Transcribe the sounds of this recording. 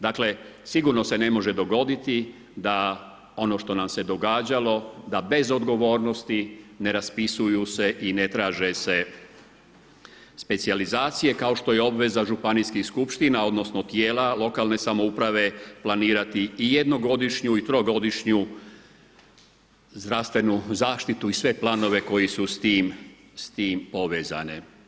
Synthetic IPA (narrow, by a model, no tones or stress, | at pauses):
d̪aːkle̞siɡuɾno̞se̞ne̞mo̞ʒe̞d̪o̞ɡo̞d̪it̪i | d̪a | o̞no̞ʃt̪o̞namse̞d̪o̞ɡaːd͡ʑalo̞d̪abe̞zo̞d̪ɡo̞ʋo̞ːɾno̞st̪ine̞ɾaspisujuse̞ʔine̞t̪ɾaːʒe̞se̞ | spe̞t̪sializaːt̪sije̞kaoʃt̪o̞je̞o̞bʋe̞zaʒupanijskixskupʃt̪inao̞d̪no̞snot̪jeːlalˠo̞kaːlˠne̞samo̞upɾaʋe̞planiːɾat̪iːje̞d̪no̞ɡo̞d̪iʃɲuit̪ɾoɡo̞d̪iʃɲu | zd̪ɾaʋst̪ʋe̞nuzaːʃt̪it̪uisʋe̞plˠano̞ʋe̞ko̞jisust̪iːm | st̪iːmpo̞ʋeːza̰ne